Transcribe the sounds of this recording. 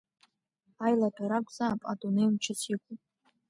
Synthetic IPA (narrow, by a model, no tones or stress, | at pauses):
ajlatʰʼaɾakʷʼzaːpʼa̰tʼunejmt͡ʃʰɪsʰikʷʰʼu